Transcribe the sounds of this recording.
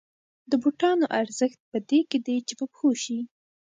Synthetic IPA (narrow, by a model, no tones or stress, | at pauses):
d̪əbuʈɑnoʔaɾzəxt̪̚pəd̪eked̪ejt͡ʃebapxoʃi